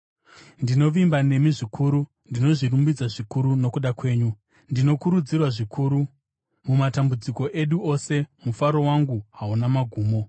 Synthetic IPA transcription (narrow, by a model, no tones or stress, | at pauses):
ndino̞ʋimbane̞miʐikʰuːɾu | ndino̞ʐirumbid͡zaʐikuɾuno̞kuɗakwe̞ːɲu | ndino̞kuɾud͡zirwaʐikʰuːɾu | mumatambud͡ziko̞ʔe̞ɗuo̞se̞mufaɾo̞waŋɡuɦaunamaɡʱuːmo̞